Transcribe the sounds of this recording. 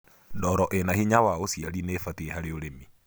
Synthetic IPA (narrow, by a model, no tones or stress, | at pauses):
dɔɾɔʔenahiɲawaosjaɾinefatieɦaɾeoɾemi